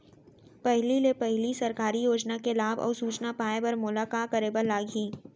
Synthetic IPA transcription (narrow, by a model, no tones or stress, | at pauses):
pɛɦlilepɛɦlisɐɾkaːɾijoːd͡ʒnakelaːbɔ̰ːɾsuːt͡ʃnapaːebəɾmʊlakaːkɐɾeːbəɾlaːɡʱiː